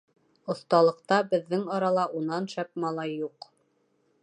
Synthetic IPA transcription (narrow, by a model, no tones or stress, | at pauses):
ŏθt̪ɑlˠɤ̆qt̪ɑbɘ̆ðːɘŋɑɾɑlˠɑʔunɑnʃæp̚mɑlˠɑjːuq